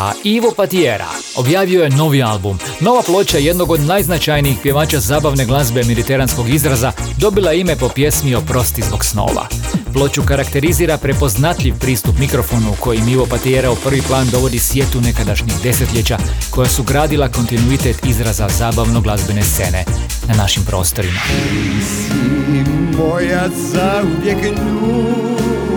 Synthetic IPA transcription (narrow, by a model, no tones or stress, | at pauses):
aiʋopat̪ijeɾa̰ | o̞̰bjaːʋio̞jeno̞ʋialˠbum | no̞ʋaplˠo̞t͡ɕaje̞d̪no̞ɡod̪najznat͡ʃajniixpje̞ʋaːt͡ʃazaːbaʋne̞ɡlˠazbemed̪it̪e̞ɾansko̞ɡizɾazad̪o̞bilˠaime̞po̞pje̞smio̞pɾo̞st̪izbo̞ɡsno̞̰ːʋa̰plˠo̞t͡ɕukaɾakt̪e̞ɾiziːɾapɾe̞po̞znat̪ʎiʋpɾiːst̪upmikɾo̞fo̞nuuko̞jimiʋo̞pat̪ieɾaupr̩ʋiplˠaːnd̪o̞ʋo̞d̪isje̞t̪une̞kad̪aʃɲixd̪e̞set̪ʎʲet͡ɕako̞jasuɡɾaːd̪ilˠako̞nt̪inuit̪et̪izɾazazaːbaʋnoɡlˠazbene̞st̪se̞ne̞̰ | nanaʃimpɾo̞̰ːst̪o̞ɾimasimbojasaudekɲ | u